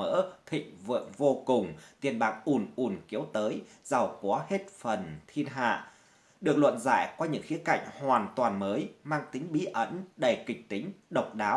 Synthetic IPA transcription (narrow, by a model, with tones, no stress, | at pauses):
ə̰ː˧˥t̪ʰḭ̈˧˨ŋ̟və̰˧˨vo˧kʊ˨˩ŋ͡mt̪i˨˩ənɓaː˨˩k̚ʔu˧˩nʔu˨˩nki˨˦əwt̪əː˨˦j | za˨˩wkwɔ˨˦he˦˥t̚fə˨˩nt̪ʰi˧ənɦa̰ː˧˨ | ɗɨ˨ək̚lwə̰˧˨nza̰ː˧˨jkwaː˧ɲɨ̰˧˥ŋxi˨˦əka̰˧˨jŋ̟hwaː˨˩nt̪waː˨˩nməː˨˦jmaː˧ŋt̪i˨˦ŋ̟ɓi˧ʔə˧˥nɗə˨˧˩kï˨˩k̟̚t̪ï˨˦ŋ̟ɗə˨˩wk͡p̚ɗaː˨˦w